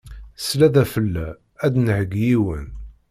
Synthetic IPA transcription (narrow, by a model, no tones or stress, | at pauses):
slæðæfəlːæ | æd̪nʕəɡjiwən